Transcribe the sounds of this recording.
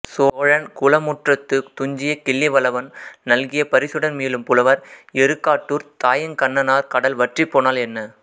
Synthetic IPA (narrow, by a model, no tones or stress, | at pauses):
soːɻɐnkʊlɐmuʈrɐt̪ːɯt̪ʊɲd͡ʒɪjɐkɪlːɛʋɐlɐʋɐnnɐlɣɪjɐpɐɾɪsɯɽɐnmiːlɯmpʊlɐʋɐɾɛɾɯkːaːʈːuːɾt̪aːjɐnkɐɳːɐnaːɾkɐɽɐlʋɐʈripːoːnaːlɛnːɐ